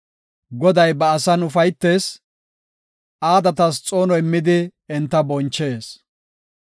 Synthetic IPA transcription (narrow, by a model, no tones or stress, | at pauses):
ɡɔd̪ɐjbɐɐsɐnʊfɐjt̪ːeːs | aːd̪ɐt̪ɐst͡sʼo̞ːnɔɪmːɪd̪ɪɪnt̪ːɐbɔnt͡ʃːe̞ːs